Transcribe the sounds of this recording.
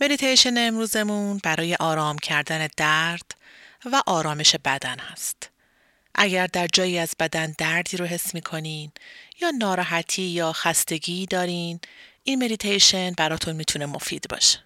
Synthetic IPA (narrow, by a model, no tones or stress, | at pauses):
me̞d̪it̪ʰejʃe̞neemɾuːze̞munbæɾɒːje̞ʔɒːɾɒːmcʰæɾd̪æne̞d̪æɾd̪̥væʔɒːɾɒːme̞ʃe̞bæd̪ænhæst̪ | ʔæɟæɾd̪æɾd͡ʒɒːjiːæzbæd̪ænd̪æɾd̪iːɾoɦe̞sːmiːkʰo̞niːnjɒːnɒːɾɒːɦæt̪ʰiːjɒːxæst̪e̞ɟiːd̪ɒːɾiːnʔiːnme̞d̪it̪ʰejʃe̞nbæɾɒːt̪ʰunmiːt̪ʰune̞mo̞̰fḭːd̪̥bɒ̰ːʃe̥